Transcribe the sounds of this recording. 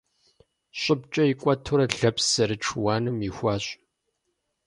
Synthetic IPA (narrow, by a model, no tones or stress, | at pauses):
ɕʼɪb̚t͡ʃʼɐikʷʼɐtʰuɾɐɬɐpsɐɾɨʈ͡ʂʰwaːnɨmixʷɑːɕʼ